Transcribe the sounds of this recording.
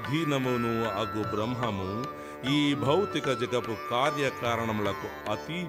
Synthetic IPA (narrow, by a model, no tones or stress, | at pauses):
d̪ʱinɐmɐnuɐɡubɾɐmɦɐmu | iːbʱɐwt̪ikɐd͡ʒɐɡɐpukaːɾjɐkaːɾɐɳ̃ɐmuɭɐkuɐt̪i